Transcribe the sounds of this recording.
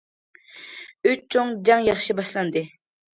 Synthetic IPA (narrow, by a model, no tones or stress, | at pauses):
yt͡ʃ̚t͡ʃʰoŋd͡ʒɑŋjɑχʃibɑʃlˠɑnd̪ɨ